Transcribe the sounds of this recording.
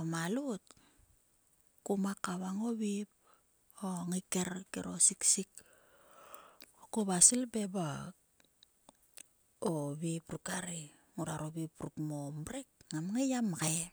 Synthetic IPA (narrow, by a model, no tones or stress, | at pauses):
omalut̚ | kumakaβaŋoβip̚ | oŋikeɾkeɾʔo̰siksik | okuβasilbeba | oβipɾukaɾi | ŋuɾaɾoβipɾukmomɾek̚ŋamŋejamɡe